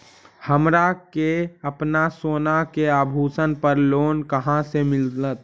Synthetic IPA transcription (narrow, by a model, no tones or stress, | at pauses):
həmɾakeəpnasoːnakeaːbʱuːsənpəɾloːnkəɦãsemɪlət̪̚